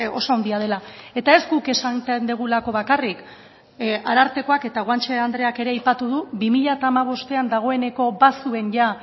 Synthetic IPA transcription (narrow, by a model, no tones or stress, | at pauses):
o̞soand̪iað̞e̞lae̞t̪ae̞zɡuke̞sant̪end̪eɣ̞ulako̞βakarik | aɾaɾt̪e̞ko̞ake̞t̪aɣwant͡ʃeand̪ɾe̞ake̞ɾe̞ajpat̪uðuβimiʎat̪aːmaβ̞o̞st̪e̞and̪aɣ̞o̞e̞ne̞ko̞basue̞nʝa